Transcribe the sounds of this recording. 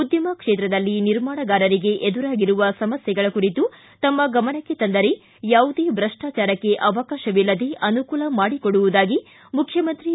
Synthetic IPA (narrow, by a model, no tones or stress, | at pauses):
ud̪ʱjɐmɐkʂeːt̪ɾɐd̪ɐlːiniɾmaːɳɐɡaːɾɐɾiɡe̞ʔed̪uɾaːɡiɾuʋɐsɐmɐsjɐɡɐɭɐkuɾit̪u | t̪ɐmːɐɡɐmɐnɐkːe̞t̪ɐnd̪ɐɾe | jaːʋud̪eːbɾɐʂʈaːt͡ʃaːɾɐkːe̞ʔɐʋɐkaːʃɐʋilːɐd̪eʔɐnukuːlɐmaːɽikoɽuʋud̪aːɡi | mukʰjɐmɐnt̪ɾi